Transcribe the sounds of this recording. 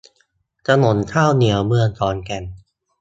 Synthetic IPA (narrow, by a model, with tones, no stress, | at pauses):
t̪a˧no˩˦nt̪ʰaː˥˩wni˩˦əwmɯ˧əŋt̪ʰɔː˨˧˥nkɛ˧˩n